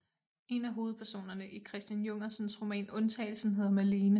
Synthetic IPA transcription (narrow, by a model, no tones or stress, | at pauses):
e̝næɦo̝ːð̩ˠpʰæɐso̝̰ːnɐnəʔikʰʁɛsd̥jænjɔ̽ŋ̰ɐsənsʁo̝mɛ̰ːnɔ̽nt͡sʰɛ̰ɪl̩sn̩ɦe̝ðˠɐmæleːnə